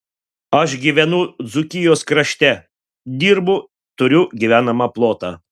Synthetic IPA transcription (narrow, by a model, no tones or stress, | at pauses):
ɐʃɡʲiʋʲɛnʊd̪zʊkʲɪjoːskɾɐʃʲt̪ʲɛ | d̪ʲiːɾbʊ | t̪ʊɾʲʊɡʲiʋʲæːnɐmɑplˠoːt̪ɑː